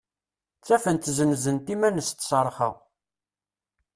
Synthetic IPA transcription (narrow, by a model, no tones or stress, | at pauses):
t͡sːæfənt̪zənzənt̪imænəst̪səɾˤχə̰ʁ